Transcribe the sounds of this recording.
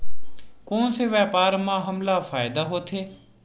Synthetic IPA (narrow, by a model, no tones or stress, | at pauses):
koːnseːʋaːpaːɾmãːɦəmlaːfʰaːɪd̪aːɦoːt̪ʰeː